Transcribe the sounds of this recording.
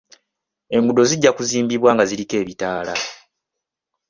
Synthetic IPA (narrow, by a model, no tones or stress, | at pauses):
e̞mbudo̞ziɟːakuziːmbiβwaːŋɡazilike̞ːβitaːla